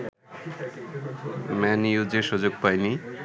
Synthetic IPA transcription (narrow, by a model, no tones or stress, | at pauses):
mɛniud͡ʑeʃud͡ʑoɡ̚pajni